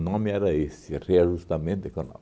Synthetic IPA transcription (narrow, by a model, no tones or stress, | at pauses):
nãmiaɾaɦesireaʒust̪amẽd̪ekana̰